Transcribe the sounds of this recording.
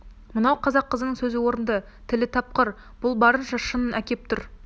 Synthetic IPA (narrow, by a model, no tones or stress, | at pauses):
mənɑwqʰɑzɑqːəzənəŋsɵzɪwo̞ɾənd̪ə | t̪ʰɪlɪt̪ʰɑp̚qəɾ | b̥ʊlˠbɑɾənʃɑʃənənʔækʲe̞p̚t̪ʰʊɾ